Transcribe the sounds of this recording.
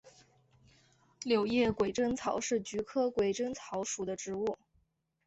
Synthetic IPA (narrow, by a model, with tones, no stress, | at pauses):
ljo˨˩ʊjɛ˥˩kwe˨˩ɪʈ͡ʂə˥ŋt͡sʰɑ˧˥ʊʂɻ̩˥˩t͡ɕy˧˥kʰɤ˥kwe˨˩ɪʈ͡ʂə˥ŋt͡sʰɑ˧˥ʊʂu˨˩d̪ə˦ʈ͡ʂɻ̩˧˥u˥˩